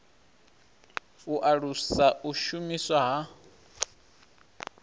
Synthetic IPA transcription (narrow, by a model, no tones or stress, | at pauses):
uʔaɺusaʔuʃumiswaɦa